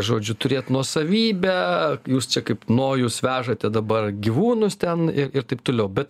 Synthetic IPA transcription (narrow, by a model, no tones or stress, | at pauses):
ʒoːd͡ʒʲʊt̪ʊɾʲeːt̪nuɔsɐʋʲiːbʲɛjuːst͡ʃʲɛkɐɪpnoːjuːsʋʲæːʒɐt̪ʲɛd̪ɐbɐrɡʲiʋuːnʊst̪ʲɛnɪɾɪrt̪ɐɪp̚t̪oːlʲɛʊbʲɛt̪